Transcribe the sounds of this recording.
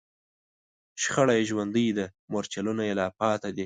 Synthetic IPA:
ʃxaɽajʒwand̪əjd̪əmoɾt͡ʃalunajelɑpɑt̪ad̪i

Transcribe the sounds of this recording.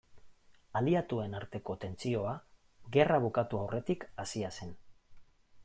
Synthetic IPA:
aliat̪ue̞naɾt̪e̞ko̞t̪e̞nt͡sio̞a | ɣe̞raβ̞ukat̪uawrʔe̞t̪ikasiase̞n

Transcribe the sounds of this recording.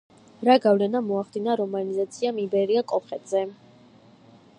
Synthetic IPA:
ɾaɡavlɛnamɔaχd̪inaɾɔmanizat̪sʰiamibɛɾiakʼɔpχɛd̪zɛ

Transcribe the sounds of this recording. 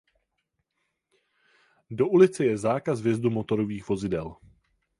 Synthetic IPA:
do̞ʔulɪt͡sɛjɛzaːkazvjɛzd̪umo̞t̪o̞ɾoviːxvo̞zɪdɛl

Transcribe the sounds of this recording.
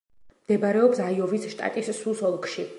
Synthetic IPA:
md̪ɛbaɾɛɔpsaiɔvisʃt̪ʼa̰t̪ʼisːusɔlˠkʰʼʃi

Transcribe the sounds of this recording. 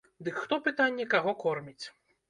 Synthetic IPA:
d̪ɨkxt̪ɔpɨt̪anʲːɛkaɣɔkɔrmʲit͡sʲ

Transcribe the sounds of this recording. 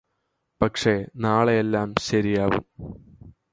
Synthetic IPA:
pɐkʂe̞naːɭeelːaːmɕɐɾijaːʋṵm

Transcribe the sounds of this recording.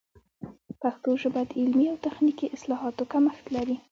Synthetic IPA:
paxt̪oʒəbajad̪ɪlmiawt̪axnikiʔɪslɑɦɑt̪okaməxt̪laɾi

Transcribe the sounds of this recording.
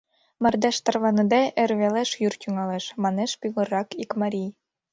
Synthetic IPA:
mɑrd̪ɑʃt̪ɑrβɑnɤ̆d̪ɑʔerβeleʃjyrt̪yŋɑleʃmɑneʃpʲyɣɤ̆rɑkikmɑɾʲij

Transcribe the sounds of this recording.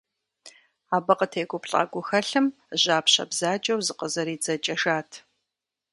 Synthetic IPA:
aːbɐqʼətʰeːɡʷʊpɬʼa̰ːɡʷʊxɐɬɨm | ʑaːpɕɐ̰bzaːt͡ʃʼɐwzɨqəzɐɾiːd͡zɐt͡ʃʼɐʂaːtʰ

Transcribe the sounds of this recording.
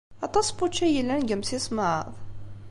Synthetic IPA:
ɑt̪ˤɑsput͡ʃːæjəlːænɡəmsisˤməʕə̰ðˤ

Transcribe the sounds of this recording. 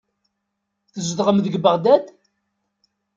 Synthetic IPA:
θəzðʁəmðəɡbəʁd̪æd̪

